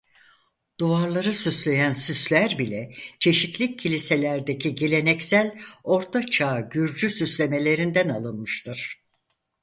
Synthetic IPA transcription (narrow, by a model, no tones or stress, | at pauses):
d̪̥uaɾlˠaɾɯsyslʲe̞jænsyslʲæɾbilʲɛt͡ʃʰe̞ʃit̪lʲicʰːilʲise̞lʲæɾd̪ecʰiɟe̞lʲe̞nɛcsælʲo̞ɾt̪ʰat͡ʃʰaːɟyɾd͡ʒysyslʲe̞me̞lʲe̞ɾind̪ænalˠɯnmɯʃt̪ʰɯɾ̥